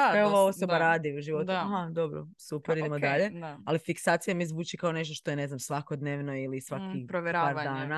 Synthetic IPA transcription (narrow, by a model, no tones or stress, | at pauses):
oʋao̞so̞dbaɾaːd̪iuʒiʋo̞t̪uaɦad̪o̞bɾo̰supeɾidd̪emod̪aʎe̞alifiksaːt̪sijamizʋuːt͡ʃikaone̞ʃt̪oʃt̪o̞ene̞znamsʋakod̪neːʋno̞ilisʋakipɾoʋɾpaːɾdd̪aːna